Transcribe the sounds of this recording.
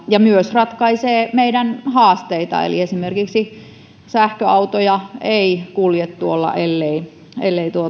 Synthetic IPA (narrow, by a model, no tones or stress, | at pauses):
jɑmyøsrɑt̪kɑiseːmeidænhɑːst̪eit̪ɑ̰ḛlḭesimerkiksi | sæhkøɑut̪ojɑeikuljet̪ːuolːɑ̰ʔelːei | elːeit̪uo